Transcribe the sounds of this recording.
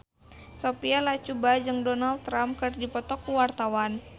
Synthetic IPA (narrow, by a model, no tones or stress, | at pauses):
sopialat͡ʃubad͡ʒɨŋdɔnalt̪ːɾamp̚kɨrdipɔt̪ɔkuwart̪awan